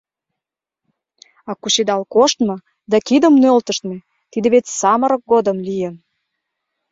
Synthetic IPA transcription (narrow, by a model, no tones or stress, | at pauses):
ɑkuɕed̪ɑlkoʃt̪mɤ̆ | d̪ɑkid̪ə̆mnølt̪ə̆ʃt̪mĕ | t̪id̪ĕβetʲsɑmə̆ɾə̆k̚ɡod̪əmlijən